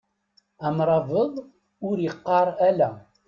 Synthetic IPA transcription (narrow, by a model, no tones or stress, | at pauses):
æmɾˤɑvəðˤ | ʊɾjəqːɑɾˤælæ